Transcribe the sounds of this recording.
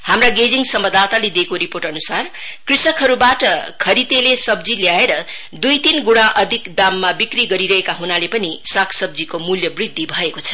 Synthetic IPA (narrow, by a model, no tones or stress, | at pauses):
hamraɡed͡ziŋsʌmbʌd̪at̪aled̪ekoɾiporʈʌnusarkrisʌkɦʌɾubaʈʌkʰʌɾit̪elesʌbd͡ziljaeɾʌ | d̪ujt̪inɡuɽ̃ãʔʌd̪ʱikd̪amːabikriɡʌɾiɾʌɦekaɦunalepʌnisakʰsʌb̚d͡zikomuljʌbrid̪ʱːibʱʌekot͡sʰʌ̥